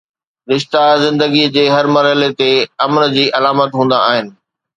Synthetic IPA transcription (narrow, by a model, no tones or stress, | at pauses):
ɾɪʃt̪azɪ̃nd̪əɡid͡ʑeːɦɐɾmɐɾɦɪlet̪eɐmnd͡ʑiːʔɐlaːmət̪ɦũːn̆d̪a̰ːɦɪnɪ̆